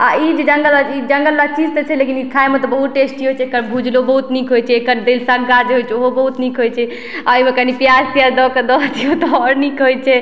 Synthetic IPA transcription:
a̰id͡ʒed͡ʒəŋɡəlaid͡ʒəŋɡəlːat͡ʃid͡ʒt̪ɔt͡ʃʰɛlekinikʰaemet̪ɔbəɦut̪̚ʈesʈiɦojt͡ʃʰɛekəɾbʱud͡ʒlobəɦut̪nikɦojt͡ʃʰɛekəɾd̪elsəɡɡad͡ʒeɦojt͡ʃʰɛoɦobəɦut̪nikɦojt͡ʃʰɛ | aimekanipjad͡ʒt̪ijad̪ɔkəd̪ɔt̪ijot̪ɔɔɾnikɦojt͡ʃʰɛ

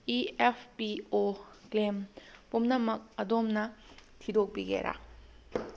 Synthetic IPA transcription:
iepʰpioklempumnɐmɐk̚ɐdomnɐtʰidok̚biɡḛɾʔa̰

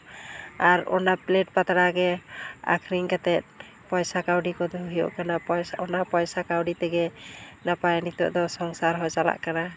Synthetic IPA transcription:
aɾɔnaplɛʈ̚pat̪aɾaɡɛa̰kʰɾiŋkat̪ɛt̪̚ | pɔjsakawɖikɔd̪uɦijɔ̰ʔkanaɔjɔnapɔjsakawɖit̪ɛɡɛnapajnit̪ɔ̰ʔd̪ɔsɔŋsaɾɦɔjsala̰ʔkana

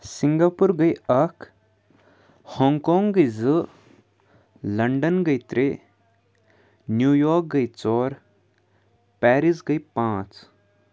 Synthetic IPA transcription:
siŋɡaːpuɾɡɐjɐk | hɔːŋkoːŋɡɡɐjzɨ | lɐɳɖənɡɐit̪ɾe | njuːjoːɾk̚ɡɐit͡sɔːɾ | pɛːɾisɡɐipãːt͡s

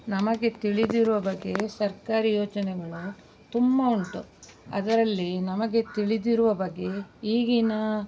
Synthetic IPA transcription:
nɐmɐɡe̞t̪iɭid̪iɾuʋɐbɐɡːe̞sɐɾkaːɾijoːt͡ʃɐnɛɡɐɭu | t̪umbɐuɳʈuɐ̰d̪ɐɾɐlːinɐmɐɡe̞t̪iɭid̪iɾuʋɐbɐɡːe̞iːɡinɐ

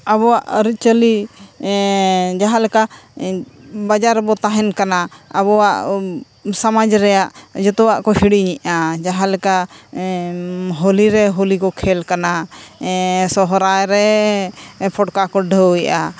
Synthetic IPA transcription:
aβɔwaʔɾit͡ʃəli | d͡ʒaɦalɛka | bad͡ʒaɾbɔt̪aɦɛnkanaə̰βɔwaʔ | samad͡ʒɾɛjaʔd͡ʒɔt̪ɔwaʔkɔhiɽiɲiʔad͡ʒaɦalɛka | ɦoliɾɛɦolikɔkʰɛlkana | sɔɦɔɾajɾɛ | pʰɔʈkakɔɖʱəiʔa

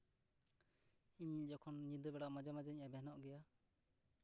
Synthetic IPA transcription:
iɲd͡ʒɔkʰɔnɲĩd̪əbɛɽaʔmad͡ʒamad͡ʒaɲabɛɦnɔʔɡɛja

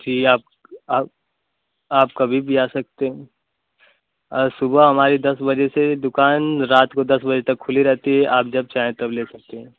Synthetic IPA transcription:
d͡ʒiːaːp̚ | aːp | aːpkɐbʱibʱiaːsɐk̚t̪eɦɛ̃ | ɔɾsʊbəɦɐmaːɾid̪ɐsbɐd͡ʒesed̪ʊkaːnɾaːt̪kod̪ɐsbɐd͡ʒet̪ɐkʰːʊliɾɛɦt̪iɦɛʔaːp̚d͡ʒɐb̚t͡ʃaːɦẽt̪ɐbleːsɐk̚t̪eɦɛ̃ː

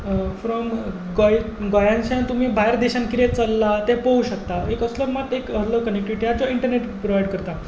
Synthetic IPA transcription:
fɾɔm | ɡoj | ɡojãnt͡ɕãt̪um̤iːbʱaɦeɾd̪iɕãnkiɾet͡səlːat̪epəuɕək̚t̪aekəsləmat̪ekələʋkənek̚ʈʋiʈijad͡zɔiɳʈəɾneʈpɾoʋajɖkəɾt̪a

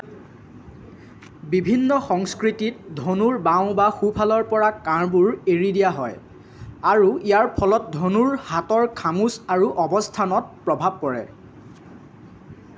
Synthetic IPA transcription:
bibʱinːɔxɔŋskɹitit̚dʱonuɹbãʊ̃baxupʰalɔɹpɔɹakaɹbuɹeɹidijaɦɔj | aɹuijaɹpʰɔlɔt̚dʱonuɹhatɔɹkʰamusaɹuʔɔbɔstʰanɔt̚pɹɔbʱab̚kɔɹɛ̰

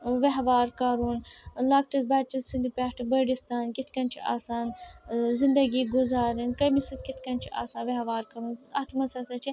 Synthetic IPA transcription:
ʋeɦʋaːɾkɐɾuːnlɐːk̚ʈɐsbɐt͡ʃisind̪ipʲaːʈʰibɐɖist̪aːnkit̪ʰkɐnt͡ʃʰiʔa̰ːsaːnzind̪ɐɡiːɡuzaːɾinkɐmisit̪̚kʲit̪ʰkɐnt͡ʃʰiʔa̰ːsaːnʋeɦʋaːɾkɐɾunɐt̪ʰmɐsɐsɐt͡ʃʰi

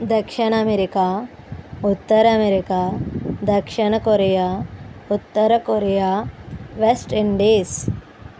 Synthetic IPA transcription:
d̪ɐkʂɐɳɐmeɾikaː | ut̪ːɐɾɐmeɾikaːd̪ɐkʂiɳɐkoɾejaːut̪ːɐɾɐkoɾejaːʋesʈiɳɖiːs

